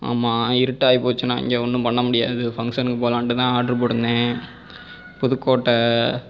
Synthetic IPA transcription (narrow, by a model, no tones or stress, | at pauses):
a̰ːmːaːɪɾɯʈːaːjipoːt͡ʃːɯnã̰ːɪ̰ŋɡeːɔɳːɯ̃pɐɳːɐmʊɽɪjaːðɯfɐŋɡʂɐnkːɯpoːlaːɳʈɯt̪ãːaːʈɾɯp̬ɔɽɯnd̪ẽː | pʊðɯkːoːʈːɐ